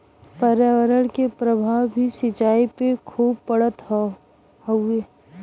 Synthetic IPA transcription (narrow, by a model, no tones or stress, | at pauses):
pəɾjaʋəɾəɽkepɾəbʱaːwbʱiʃɪt͡ʃaːipekʰuːb̚pəɽət̪ | ɦoeː